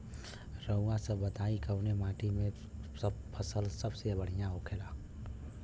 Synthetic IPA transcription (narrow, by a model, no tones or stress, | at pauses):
ɾəwasəbət̪aːikəʊnemaːʈimẽ | səbpʰəsəlsəbsebəɽ̤ijãɦokʰeːlaː